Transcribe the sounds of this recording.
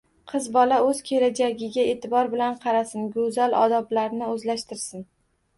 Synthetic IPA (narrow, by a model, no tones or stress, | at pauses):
qʰɨzbɒlaɵz̥kʲʰe̞lad͡ʒaɡʲɪɡʲae̞t̪ʰɪbɒɾbɪlanqʰɑɾasɪnɡɵzalʔɒ̰d̪ɒblaɾnɪɵzlaʃt̪ɪɾsɪn